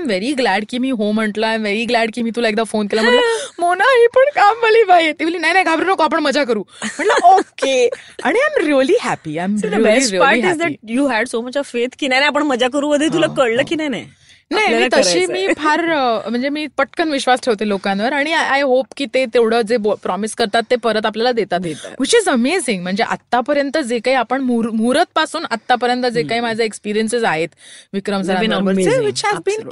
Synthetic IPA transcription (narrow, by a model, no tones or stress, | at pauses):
ajmʋeɾiɡlæɖkiːmiːɦom̤əɳʈləːajmʋeɾiɡlæɖkiːmiːt̪ulaek̚d̪afonkelam̤əɳmonaɦipəɳkamːəliːbajet̪iʋliːnajnajɡʱabɾuːnəkoap̬əɳməd͡zak̬əɾuːm̤əɳləokkeaɽ̃iãɪjmɾiəliɦæpiajmɾiəliɾipaɾiɦʈzd̪æjuːɦɛɖsomət͡ɕɔʋfet̪kinajnajapəɳməd͡ʑak̬əɾuːʋəd̪ʱːjet̪̬ulakəɽləːkinajna̰j | najit̪əɕiːmiːpʰaɾm̤əɳd͡zemiːpəʈkənʋiɕʋasʈʰeʋt̪elokãnʋəɾaɽ̃iajɦopkiːt̪et̪ewɽ̤əːd͡zepɾɔmiskəɾt̪at̪ːepəɾət̪apljalad̪et̪at̪ʋit͡ɕizəmezĩŋɡm̤əɳd͡zeʔa̰t̪ːapəɾjənt̪əd͡zekaiːapəɳmuɾmuɾət̪̚pasuːnat̪ːapəɾjənt̪əd͡zekaiːmad͡zʱaekspiɾijənsid͡zaɦet̪ʋikɾəmsəɾãəɾeʋit͡ɕɦɛzbiːn